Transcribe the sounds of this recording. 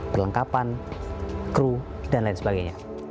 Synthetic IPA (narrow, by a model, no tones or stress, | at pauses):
pərləŋkapan | kɾu | danlaɪnsəbaɡaɲa